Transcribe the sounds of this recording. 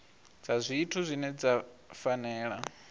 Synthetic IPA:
d͡zazʷiːtʰuzʷinɛd͡za | fanɛːɺa

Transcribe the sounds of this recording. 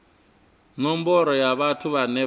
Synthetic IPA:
nɔmbɔɾɔjaβatʰuβanɛ

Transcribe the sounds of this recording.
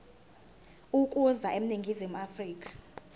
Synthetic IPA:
ukʼuzaʔem̩niŋɡʱizimuafriːkʼḁ

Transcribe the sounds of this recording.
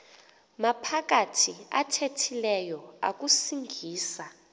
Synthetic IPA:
mapʰak̬atʰia̰tʰetʰilɛjɔa̰kusiŋɡʱiːsa

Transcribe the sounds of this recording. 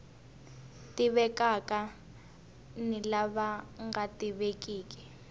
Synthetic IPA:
tiβɛkaka | nilaβaŋɡatiβekiːki̥

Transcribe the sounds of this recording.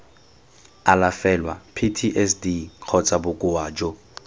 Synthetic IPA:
alafɛlwa̰pʰitʰiʔɛsdiq͡χʰɔt͡sʼabʊkʼʊwaːd͡ʒɔ

